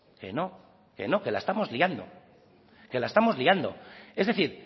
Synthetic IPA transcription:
ke̞̰no̞ | ke̞̰no̞ke̞laest̪amo̞zliand̪o̞̰ | ke̞laest̪amo̞zliand̪o̞̰e̞zðe̞θiɾ

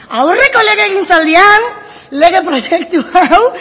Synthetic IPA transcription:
awre̞ko̞le̞ɣe̞ːɣint͡sald̪ian | le̞ɣ̞e̞pɾo̞je̞kt̪uaw

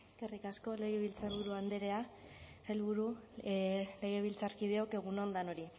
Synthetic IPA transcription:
kerikasko̞le̞ɣeβilt͡saβuɾuand̪eɾe̞a | selβuɾu | le̞ɣ̞e̞β̞ilt͡saɾkið̞e̞o̞ke̞ɣunond̪anoɾi

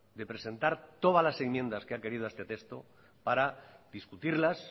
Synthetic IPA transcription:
d̪e̞pɾe̞sẽ̞nt̪aɾt̪o̞ð̞alase̞ŋmjẽ̞nd̪askeake̞ɾið̞oest̪e̞t̪est̪o̞ | paɾad̪iskut̪iɾlas

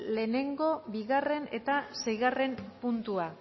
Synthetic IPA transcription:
le̞ːne̞ŋɡo̞βiɣare̞ne̞t̪asejɣare̞mpunt̪ua

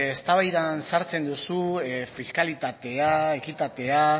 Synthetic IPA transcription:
est̪aβajðansaɾt͡se̞nd̪usufiskalit̪at̪e̞ae̞kit̪at̪e̞a

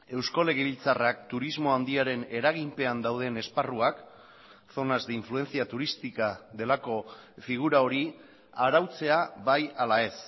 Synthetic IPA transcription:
e̞wsko̞le̞ɣ̞eβilt͡sarak̚t̪uɾizmo̞and̪iaɾe̞ne̞ɾaɣimpe̞and̪awð̞e̞ne̞sparuak | θo̞nazd̪eiɱflue̞nt͡siat̪uɾist̪ikaðe̞lako̞ | fiɣ̞uɾao̞ɾi | aɾawt͡se̞aβajalae̞s

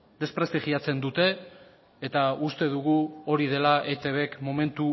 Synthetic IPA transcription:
d̪e̞spɾe̞st̪iɣiat͡se̞nd̪ut̪e̞ː | t̪aust̪e̞ð̞uɣ̞uo̞ɾið̞e̞laʔet̪e̞βe̞kmo̞me̞nt̪u

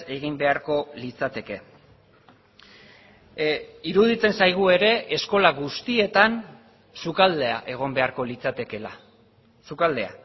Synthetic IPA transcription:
e̞ɣ̞imbe̞aɾko̞lit͡sat̪e̞ke̞ | iɾuðit͡se̞nsajɣ̞ue̞ɾe̞ʔesko̞laɣust̪ie̞t̪an | sukald̪e̞a̰ʔe̞ɣ̞o̞mbe̞aɾko̞lit͡sat̪e̞ke̞la̰ | sukald̪e̞a̰

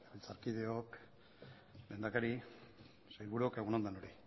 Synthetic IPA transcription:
βilt͡saɾkiðeok | me̞nd̪akaɾi | sajlβuɾuokeɣonand̪enoɾi

